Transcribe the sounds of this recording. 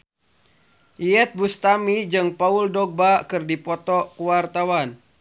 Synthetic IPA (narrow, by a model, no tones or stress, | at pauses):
ʔiɛt̪̚bust̪amid͡ʒɨŋpauldɔɡ̚bakɨrdipɔt̪ɔkuwart̪awan